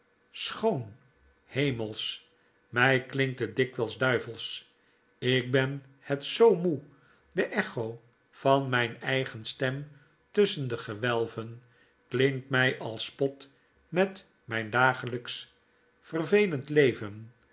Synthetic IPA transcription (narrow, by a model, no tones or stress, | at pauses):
sχown | hejməlˠs | mɛjklɪŋk̚tədɪkʋɛlˠzdœɥvəlˠs | ɪk̚bɛn | hɛtsowmu | dəʔɛχow | fɑnmɛjnɛjχənstɛm | tɵsəndəχəʋɛlˠvən | klɪŋtmɛjʔɑlˠspɔt | mɛt | mɛjndaːχələks | fərvejləntlejvən